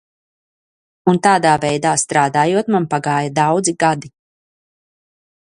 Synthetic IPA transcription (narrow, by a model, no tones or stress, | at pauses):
unt̪aːd̪aːvɛjd̪aːst̪ɾaːd̪aːjuɔt̪manpaɡaːjad̪awd̪ziɡad̪i